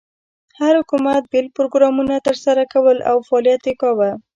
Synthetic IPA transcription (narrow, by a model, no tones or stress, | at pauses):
haɾhʊkumat̪̚belpɾoɡɾɑmunat̪əɾsaɾakawəla̰wfaːlijat̪ekɑwa